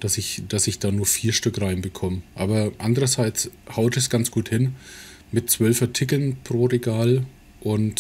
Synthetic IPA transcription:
d̥asɪçd̥asɪçd̥aːnuːɐfiːɐʃtʏkʁaɪnbəkʰɔmʔaːbɐʔandəʁɐzaɪt͡shaʊtɛsɡ̥ant͡sɡ̥uːthɪn | mɪtt͡sv̥œlfɐtʰɪk̬l̩npʁ̥oːʁeɡaːl | ʔʊnt

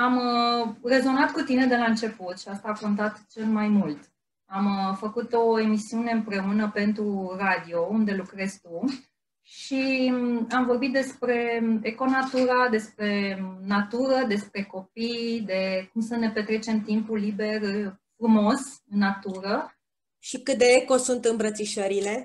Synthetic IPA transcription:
am | re̞zo̞nat̪kut̪ine̞d̪e̞laɨnt͡ʃe̞put̪ʃiast̪aːko̞nt̪at̪t͡ʃe̞lmajmult̪ | amfəkut̪o̞e̞misiune̞ɨmpɾe̞unəpe̞nt̪ɾurad̪io̞und̪e̞lukɾe̞zt̪u | ʃi | amvo̞rbit̪̚d̪e̞spɾe̞eko̞nat̪uɾad̪e̞spɾe̞nat̪uɾəd̪e̞spɾe̞ko̞pijd̪e̞kumsəne̞pe̞t̪ɾe̞t͡ʃe̞mt̪impulibe̞rfɾumo̞sɨnːat̪uɾə | ʃikɨt̪̚d̪e̞eko̞sunt̪ɨmbɾət̪siʃəɾile̞

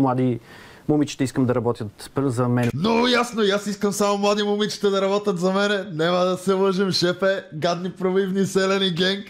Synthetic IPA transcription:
mlˠad̪i | mumit͡ʃi̥t̪ɛiskəmd̪ɐɾɐbɔt̪jət̪zɐmɛnɛnoɡʊjasnojasiskəmsamomlˠad̪imʊmit͡ʃi̥t̪ɛd̪ɐɾɐbɔt̪ʲjɐt̪zɐmɛnɛnɛmɐd̪ɐsɛlˠɤʒimʃɛpɛɡad̪nipɾolivnisɛlɛniɡɛŋk

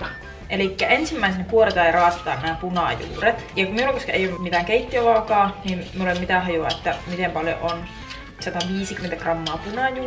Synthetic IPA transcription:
ʔelikːæʔensimːæisenekuoɾet̪ɑːjɑrɑːst̪ˑɑːnnæːpunɑ̰jṵːret̪jɑkmiulːɑkoskɑeijolːmit̪æːŋkeit̪ːioʋɑːkɑːniːmmiulemmit̪æhɑjuɑ̰et̪ːæmit̪empɑljo̰ʔon | sɑt̪ɑʋiːsikyment̪ækrɑmːɑːpunɑjuː

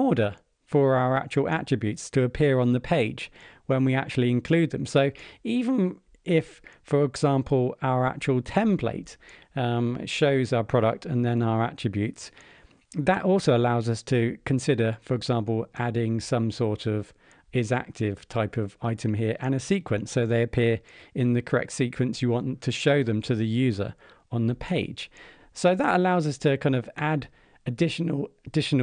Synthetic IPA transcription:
ɔːɾə | fə˞aʊəɹa̰k̚t͡ʃəəlˠʔa̰t͡ʃɹ̥ɨbjʉˑtstʰəːpʰɪəɹə̃nðəpʰeɪ̥d͡ʒwə̃nwiak̚t͡ʃʉl̩ˠiɪ̃nkʰl̥ʉːd̪̚ðə̃msoʊiːvə̃n | ɪf | əɹɪɡz̥ɑ̃ˑmpʰəlˠaʊəɹa̰k̚t͡ʃəwəlˠtʰɛ̃mpʰl̥ḛɪt | ʃəʊzaʊəpʰɹ̥ɒɾə̰k̚tʰə̃nðə̃naʊəɹa̰tɹ̥ɨbjʉˑts | ðətɔˑlˠsəʊəlaʊzʌstʰəkʰə̃nsɪɾə˞fəɹɨɡzɑ̃ˑmpəlˠʔadɪ̃ŋsʌ̃msɔɹɾʌv | ɪzæ̰k̚tʰɪv̥tʰaɪpʰʌvaɪtʰə̃mɦɪəɹʔə̃nɨsiˑkʰwə̃nsoʊðeɪəpʰɪəɹɪ̃nðɨkʰəɹɛ̰k̚tsiˑkʰwə̃nsjəwɒ̃ntʰɨʃəʊðə̃mtʰəðɨjʉːzə̰ɹ | ə̃nðəpʰeɪd̥ʒ̥ | soʊðətəlaʊzʌstʰəkʰãɪ̃ndʌvad | ədɪʃənəlˠədɪʃn

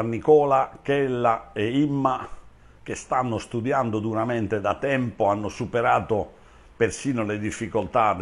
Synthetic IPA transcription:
anːikɔːlakɛlːaeimːa | k̟est̪anːost̪ud̪jand̪od̪uɾament̪ed̪at̪ɛmpoanːosupeɾaːt̪o | persiːnoled̪ifːikolt̪ad̪

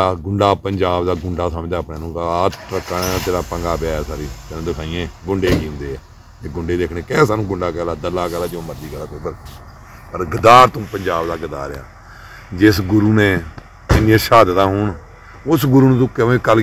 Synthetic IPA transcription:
ɡʊɳɖaːpəɲd͡ʒaːbd̪aːɡʊɳɖaːsəmd͡ʒaːpɳẽːnũːaːt̪ɾəkːaːnãːt̪eːɾaːpəŋɡaːpaːɛsaːɾiːt̪ːnãːd̪əkʰaːɪjẽːɡʊɳɖeːkiːʊ̃nd̪eːɛː | t̪eːɡʊɳɖeːd̪eːkʰɳeːkɛːsaːnũːɡʊɳɖaːkɛːlaːd̪əlaːkɛːlaːd͡ʒõːməɾd̪iːkəlaːkopəɾ | pəɾɡɪd̪aːɾt̪ũːpəɲd͡ʒaːbd̪aːɡɪd̪a̰ːɾa̰ː | d͡ʒɪsɡʊɾuːneː | ɪniẽːʃaːd̪ət̪ãːɦʊɳ | ʊsɡʊɾuːñːt̪ũːkeʋ̃ːkəl

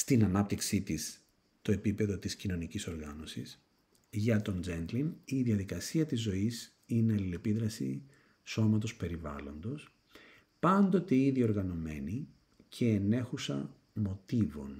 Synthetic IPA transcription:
st̪inɐnɐp̚t̪iksit̪is | t̪o̞e̞pipe̞ðo̞t̪iscino̞niciso̞ɾɣɐno̞sis | ʝɐt̪o̞nd͡zenɡ̪liniðiɐðikɐsiɐt̪izːo̞is | ineɐlile̞piðɾɐsḭ | so̞mɐt̪o̞spe̞ɾivɐ̰lo̞nd̪o̞s | pɐnd̪o̞t̪eiðio̞ɾɣɐno̞me̞̰ni | cʰe̞ːne̞xusɐ̰ | mo̞t̪ivo̞̰n

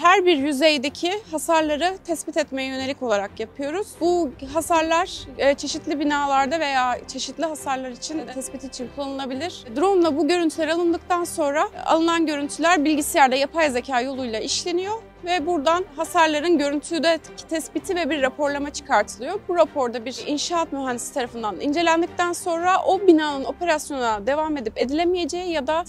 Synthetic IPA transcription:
hæɾbiɾjyzejd̪ecʰihasaɾlˠaɾɯt̪ʰɛspit̪ɛt̪me̞jɛjøne̞lʲico̞lˠaɾakjapʰɯjo̞ɾuz̥buɦasaɾlˠaɾ̥ːt͡ʃʰe̞ʃit̪lʲibinaːlˠaɾd̪ave̞jaːt͡ʃʰe̞ʃit̪lʲiɦasaɾlˠaɾit͡ʃʰinʰɛspit̪ʰiːt͡ʃʰinkʰulˠːanɯlabilʲiɾ̥d̪ɾomlˠabuɟø̞ɾynt̪ʰylʲeɾalˠɯnd̪ɯk̚t̪ʰanso̞nɾaa̰lˠɯnanɟø̞ɾynt̪ʰylʲæɾbilʲɟisilʲæɾd̪ɛjapʰajzecʰaːjo̞lˠujlˠaʔiʃlʲe̞nijo̞ | vɛbuɾd̪anɦasaɾlˠaɾɯnɟø̞ɾynt̪ʰyːd̪ɛ | t̪ʰɛspit̪ʰivɛbiɾːapʰo̞ɾlˠamat͡ʃʰɯ̥kʰaɾt̪ʰɯlˠɯjobuɾapʰo̞ɾd̪abiɾinʃaːat̪myɦɛnd̪isi̥t̪ʰaɾafɯnd̪anḭnd͡ʒe̞lʲænd̪ic̚t̪ʰænso̞nɾaʔo̞binaːnɯno̞pʰe̞ɾasjo̞nunad̪e̞vame̞d̪ipe̞d̪ilʲemije̞d͡ʒejijad̪a

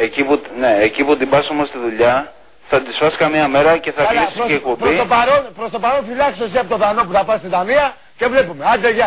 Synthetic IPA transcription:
ecipune̞eciput̪ibɐsomost̪iðuʎɐ | θɐt̪isfɐsi̥kɐmiɐme̞ɾɐce̞θɐlississeek̚po̞bpɾist̪opɐɾonpɾost̪o̞pɐɾo̞nfilɐksos̬iɐpot̪oðɐno̞p̬uθɐpɐst̪id̪ɐmiɐ | ce̞vle̞pume̞ɐd̪eʝɐ

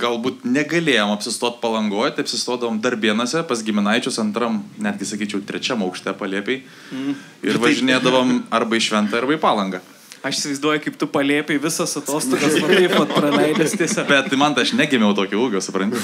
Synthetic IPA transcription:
ɡɐlˠbuːt̪nʲɛɡɐlʲeːjoːmɐpʲsʲɪst̪oːt̪̚pɐlˠɐŋɡoːjt̪ɐɪɐpʲsʲɪst̪oːd̪ɐʋoːmd̪ɐrʋʲiɛnoːsʲɛpɐsɡʲɪmʲɪnɐɪt͡ʃʲʊsɐnt̪ɾɐmnʲæːd̪ʲɡʲɪsɐkʲiːt͡ʃʲɛʊt̪ʲɾʲɛt͡ʃʲɛmɐʊkʃʲt̪ʲɛpɐlʲeːpʲɛɪ | ɪɾʋɐʒʲɪnʲeːd̪ɐʋomɐrbɐɪʃʲʋʲɛnt̪ɑɐrbɐɪpɑːlˠɐŋɡɐː | ɐʃɪsʲɪʋɐɪzd̪uɔjʊkɐɪpt̪ʊpɐlʲeːpʲeɪʋʲɪsɐsɐt̪oːst̪oːɡɐsɐɪpʋɐt̪pɾɐlʲɛɪd̪ʲɐst̪ʲiɛsʲobʲɛt̪mɐnt̪ɐɪɐʃnʲæːɡʲɪmʲɛʊt̪oːkʲʊuːɡʲoːsʊpɾɐnt̪ʲɪ

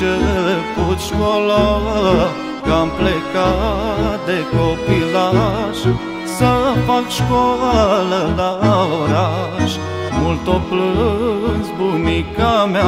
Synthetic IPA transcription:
eekut̪ʃkolaə | kamplekat̪̚d̪ekopilaʃ | səfakʃkalələoɾaʃ | mult̪oplɨnsbumikamea

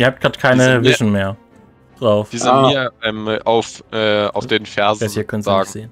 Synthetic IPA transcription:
ʔiɐhaːp̚tɡ̥ʁaːtkʰaɪnəvɪʃn̩meːɐ | d̥ʁaʊfv̥iːzɪiːɐʔɛmʔaʊfʔɛːa̰ʊfd̥eːnfɛɐzasiːɐkʰœnənzzaːtŋz̥eːən

